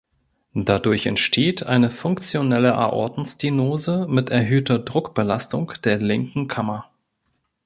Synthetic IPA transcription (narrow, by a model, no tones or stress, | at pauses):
d̥adʊɐçɛ̰ntʃtʰeːtʰʔaɪnəfʊŋkt͡sjonɛləʔa̰ʔɔ̰ɐdn̩sd̥inoːzəmɪtɛɐɦøːtɐdʁʊkb̥əlastʊŋd̥eːɐlɪŋkŋ̩kʰamɐ